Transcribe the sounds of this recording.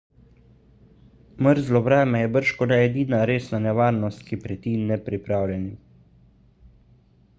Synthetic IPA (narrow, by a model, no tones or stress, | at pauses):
məɾzlɔvɾɛːmɛjɛbəɾʃkɔnɛɛd̪iːnaɾeːsnanɛʋaːɾnɔst̪̚kipɾɛt̪iːnːɛpɾipɾaːwlʲjɛni